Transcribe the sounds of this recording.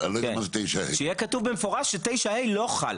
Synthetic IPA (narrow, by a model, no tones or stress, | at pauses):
alokmant̪ejʃaḛʃeijɛkatuvbemefoʁaʃːet̪ejʃahejlo̞χa̰l